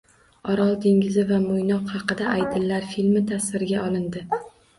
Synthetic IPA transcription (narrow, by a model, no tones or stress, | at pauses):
ɒɾɒlˠd̪ʰe̞ŋɡʲɪzɪvamʊjnɒqhɑqɨd̪aʔajd̪ɪlːaɾfilmɪt̪ʰasɪɾɪɡʲaɒlˠɪnd̪ɪ